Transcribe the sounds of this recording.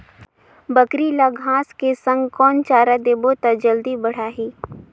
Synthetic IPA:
bəkɾilaɡʱãːskesə̃ŋɡkɔːnt͡ʃaːɾad̪eːbot̪ad͡ʒəld̪ibɐɽ̤aːɦiː

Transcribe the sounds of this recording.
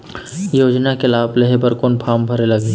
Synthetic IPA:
joːd͡ʒnakelaːbleɦebəɾkoːnpʰaːmbʱɐɾelɐɡe

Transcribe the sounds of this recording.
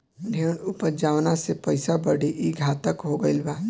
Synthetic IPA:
d̪ʱənʊpəd͡ʒaːʋnasepəɪsabəɽiʔiɡʱaːt̪əkɦoɡəɪlbaː

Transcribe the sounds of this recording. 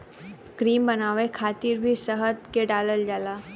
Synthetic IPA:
kɾiːmbənaːʋekʰaːt̪iɾbʱisəɦət̪keɖaːləld͡ʒaːlaː

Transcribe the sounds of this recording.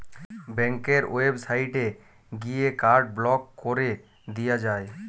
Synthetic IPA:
bɛŋkeɾoebsaiʈe | ɡijekaɾɖ̚blɔkːoɾe | d̪ijad͡ʒae

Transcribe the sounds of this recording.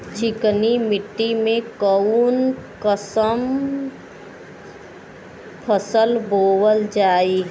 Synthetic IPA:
t͡ʃɪknimɪʈːimẽkəunkəsəm | pʰəsəlboːwəld͡ʒaːi

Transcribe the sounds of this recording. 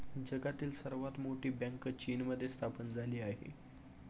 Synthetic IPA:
d͡ʑəɡat̪iːlsəɾʋat̪moʈiːbɛ̃ŋkt͡ɕiːnməd̪ʱːjest̪ʰapənd͡zʱaliːaɦḛ

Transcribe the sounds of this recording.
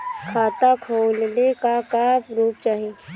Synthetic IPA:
kʰaːt̪akʰoːlnekakaɾuːp̚t͡ʃaːɦe

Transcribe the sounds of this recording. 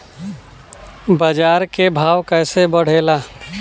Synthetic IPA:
bəd͡ʒaːɾkebʱaːʋkɛːsebəɽ̤eːlaː

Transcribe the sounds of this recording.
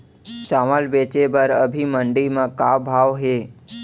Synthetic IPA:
t͡ʃaʋəlbet͡ʃebəɾəbʱiməɳɖimãkabʱaʋɦe

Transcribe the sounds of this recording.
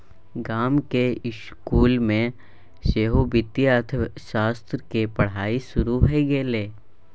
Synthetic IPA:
ɡaːmkeɪʃ | kuːlmẽ | ʃeːɦubɪt̪jət̪ʰʃaːst̪ɾəkepɐɽ̤aːisʊɾuɦeɡeːleː

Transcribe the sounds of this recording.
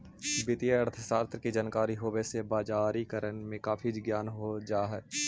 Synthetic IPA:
bɪt̪ijəəɾt̪ʰəsaːɾt̪ɾkid͡ʒankaːɾiɦoːbesebaːd͡ʒaːɾikəɾənmẽkaːfʰid͡ʒɡjaːnɦod͡ʒaːɦɛː

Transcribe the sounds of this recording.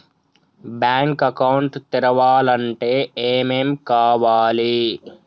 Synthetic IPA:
bjaːŋkɐkɐwɳʈt̪iɾɐʋaːlɐɳʈe̞ːeːmemkaːʋaːli

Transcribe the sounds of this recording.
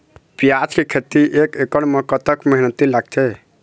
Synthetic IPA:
pijat͡ʃkekʰet̪iʔekekəɽmekət̪əkməɦinət̪ilaɡ̚t͡ʃʰɛ

